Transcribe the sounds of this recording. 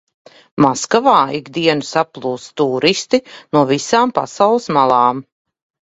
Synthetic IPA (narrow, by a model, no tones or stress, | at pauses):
maskavaːiɡd̪iɛnɨsaplˠuːst̪uːɾist̪inuɔvisaːmpa̰sawlˠɨsmalˠɑːm